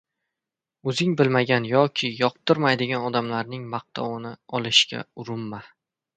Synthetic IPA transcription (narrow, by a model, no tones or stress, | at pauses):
ɵzɪŋbɪlmaɡʲanjɒkʲʰɪjɒq̚t̪ʰɪɾmajd̪ɪɡʲanɒd̪amlaɾnɪŋmɑq̚t̪ʰɒwnɪɒlˠɪʃkʲa̰ʊɾʊmːa